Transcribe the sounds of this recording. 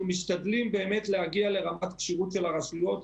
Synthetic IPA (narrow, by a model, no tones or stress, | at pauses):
miʃtad̪limbe̞ːme̞t̪lehaɡiale̞ʁamat̪kʃiʁutʃelaʁasujo̞t